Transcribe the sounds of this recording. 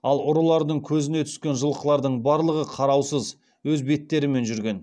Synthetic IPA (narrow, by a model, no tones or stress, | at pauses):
ɑlˠʊɾəlˠɑɾd̪əɴkʲʰɵzɪne̞t̪ʰʏ̥skʲe̞nʒəlˠəqəlˠɑɾd̪əɴbɑɾlˠəʁəqʰɑɾɑwsəz | wɵzbe̞t̪ːe̞ɾɪme̞nʒʏɾɡʲe̞n